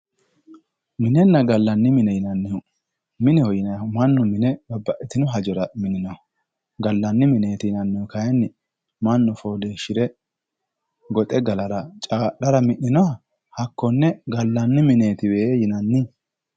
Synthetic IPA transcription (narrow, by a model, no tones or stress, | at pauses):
mɪnɛnːɐɡɐlːɐnːɪmɪnɛjɪnɐnːɪjʊ | mɪnɛhɔjɪnɐmɐnːʊmɪnɛbɐbːɐʔɪt̪ɪnɔɦɐd͡ʒɔɾɐmɪnːɪnɔhɐ | ɡɐlːɐnːɪmɪne̞ːt̪ɪjɪnɐnːɪʊkɐjɛnːɪ | mɐnːʊfoːleːʃɪɾɛ | ɡɔt̪ʼɛɡɐlɐɾɐt͡ʃʼaːɗɐɾɐmɪʔːɪnɔɐ | hɐkːɔnːɛɡɐlːɐnːɪmɪne̞ːt̪ɪweːjɪnɐnːɪ